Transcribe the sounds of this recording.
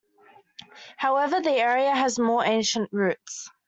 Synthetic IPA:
haʊɛvəðiɛːɹiəːzmɔːɹẽɪ̃nʃə̃nʔɹʉˑts

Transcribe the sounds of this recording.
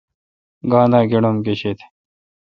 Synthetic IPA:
ɡaːnd̪aːɡeɽomkeɕet̪ʰe̥

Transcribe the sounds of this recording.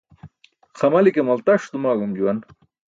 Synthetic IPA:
xɐmɐlikemɐlt̪ɐʂt̪umaːɡumd͡ʑuwɐn

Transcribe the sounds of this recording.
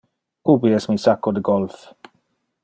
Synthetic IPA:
ubiɛsmisakɔdəɡɔlˠf

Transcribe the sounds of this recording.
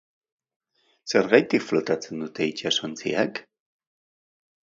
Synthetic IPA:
seɾɣajt̪iflot̪at͡sənut̪ejcasont͡sḭak

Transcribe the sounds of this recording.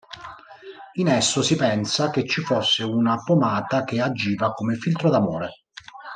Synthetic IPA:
inɛsːosipɛnsaket͡ʃːifosːeunapomaːt̪ak̟ead͡ʒiːvakomefilt̪ɾod̪amoːɾe

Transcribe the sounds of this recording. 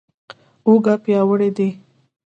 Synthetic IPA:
oɡapjɑwəɽed̪e

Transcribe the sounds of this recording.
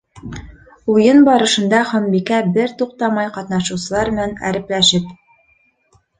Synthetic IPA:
ujɤnbɑɾɤ̆ʃɤ̆nd̪ɑχɒ̆mbikæbɘɾt̪uq̚t̪ɑmɑjqɑt̪nɑʃɤ̆wsɤ̆lˠɑɾmɘ̆nænæ̰ɾɘ̆plæʃɘp̚

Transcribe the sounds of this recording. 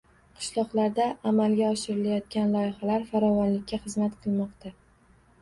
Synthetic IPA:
qʰɨ̥ʃlˠɒqlaɾd̪aːmalɡʲaɒʃɪɾɪlajɒt̪̚kʲanlˠɒjɪχalaɾfaɾɒvɒnlɪk̚ʲʰːaχɨzmat̪qʰɨlˠmɒqt̪ʰa

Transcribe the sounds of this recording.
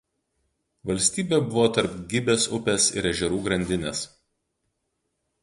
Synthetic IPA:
ʋɐlʲsʲt̪ʲiːbʲeːˑbʊʋoːt̪ɐɾpɡʲɪbʲeːsʊpʲesɪ̰ɾɛʒʲɛɾuːɡɾɐnʲd̪ʲɪnʲeːs

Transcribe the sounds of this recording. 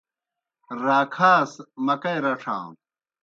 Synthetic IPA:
ɾaːkʰaːsmɐkɐjɾɐʈ͡ʂʰã̰ː

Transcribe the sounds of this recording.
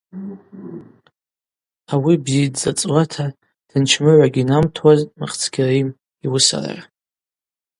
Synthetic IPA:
awibzidzat͡sʼwatʰa | d̥ɨnt͡ʃʰmɨʕʷaɡʲinamtʰwazmaχt͡sʰɡ̥ʲarijm | iwʊsa̰ra̰ʕa

